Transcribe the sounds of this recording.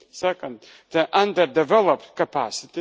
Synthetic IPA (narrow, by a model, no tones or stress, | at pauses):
sɛkə̃nd | ðəʔãnd̪əɾdɛvɛlˠəpt̪kəpæsɪt̪i